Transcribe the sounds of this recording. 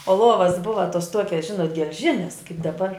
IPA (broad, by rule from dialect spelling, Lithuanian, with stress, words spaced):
oː ˈlˠuɔʋɐs ˈbʊʋɐ toːs ˈtuɔkʲɛs ˈʒʲɪnoːt ɡʲɛlʲˈʒʲɪnʲɛs kɐɪp dɐˈbɐr